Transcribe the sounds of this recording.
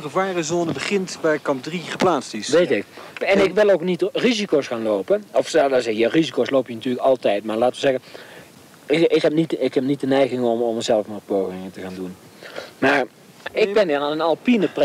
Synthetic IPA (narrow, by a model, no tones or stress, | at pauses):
əvaːrəzoːnəbəχɪntbɛjkɑmp̚driχəplaːtstɪsʋejtɪkɛnɪkʋɪlˠowknitrizikowsχaːnlowpənɔfsadazɛjarizikowslowpjənɑtyːləkɑlˠtɛjtmaːɹlaːtəʋəzɛɣən | ɪɪkɦɛp̚nitɪkɦɛp̚nit̚dənɛjɣɪŋɔmɔməzɛlˠəfmɔpowχɪŋətəɣaːndun | maːɹ | ɪɡbɛniɹanənɑlˠpinəpr